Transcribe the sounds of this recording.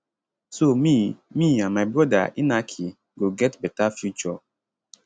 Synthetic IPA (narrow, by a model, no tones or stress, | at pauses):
somĩmĩãnmaɪbɹɔda̰ʔinakʰi | ɡoɡɛtbɛtafjut͡ʃɔ